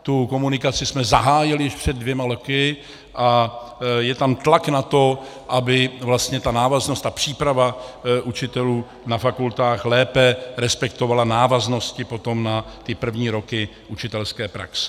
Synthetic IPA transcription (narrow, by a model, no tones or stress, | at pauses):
t̪uko̞munɪkat͡sɪsmɛzaɦaːjɪlɪjɪʃpr̝̥ɛd̪̚ːvjɛmalokɪ | ʔa | jɛt̪amt̪laknat̪o̞ | ʔabɪvlast̪ɲɛt̪anaːvaznost̪apr̝̥iːpɾavaʔut͡ʃɪt̪ɛluː | nafakult̪aːxlɛːpɛɾɛspɛkt̪o̞valanaːvazno̞scɪpo̞t̪o̞mnat̪ɪpr̩vɲiːɾo̞kɪʔut͡ʃɪt̪ɛlskɛːpɾa̰ksɛ̥